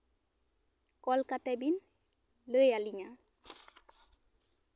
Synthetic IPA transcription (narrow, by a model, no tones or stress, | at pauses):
kɔlkatɛbin | ləjaliɲa